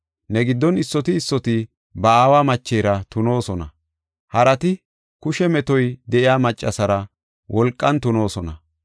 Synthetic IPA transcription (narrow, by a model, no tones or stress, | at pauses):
nɛɡɪd̪ːɔnɪsːɔt̪ɪːsːɔt̪ɪ | bɐaːwaːmɐt͡ʃːeːɾɐt̪ʊno̞ːsɔnɐ | hɐɾɐt̪ɪ | kʊʃɛmɛt̪ɔjd̪ɛʔɪjaːmɐt͡ʃʼːɐsɐɾɐ | wʔɔlkʼːɐnt̪ʊno̞ːsɔnɐ